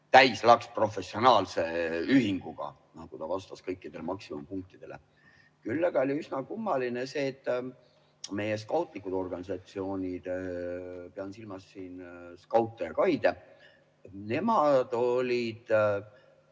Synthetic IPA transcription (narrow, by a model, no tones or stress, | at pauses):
t̪æjslɑkspro̞fe̞sːio̞nɑːlse̞yɦiŋɡ̥uɡ̥ɑ̰ | nɑɡ̥ut̪ɑvɑst̪ɑskɤjkːˑid̪̥e̞lemɑksimompuŋk̚t̪id̪̥e̞lʔe̞̰ | kylːɑɡ̥ɑolʲiysnɑkumːɑline̞se̞ːt̪ːˑ | me̞je̞skɑwt̪ˑlikːˑud̪̥o̞rɡ̥ɑnisɑt̪sio̞ːnʲid̪̥ | peɑnsilmɑsːiːnskɑwt̪ːˑejɑkɑjd̪e̞ | ne̞mɑd̪̥o̞lʲid̪̥